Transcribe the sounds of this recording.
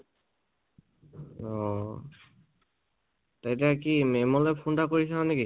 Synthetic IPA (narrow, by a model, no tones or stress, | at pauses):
ɔ | tajtɛakimɛmɔlɛpʰundakoɹisananeki